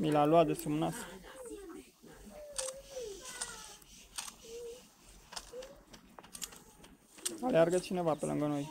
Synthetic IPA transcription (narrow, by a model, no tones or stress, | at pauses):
milaluad͡zəsumnas | aljaɾɡət͡ɕʰinəʋapəlʔə̰ŋɡənɦoj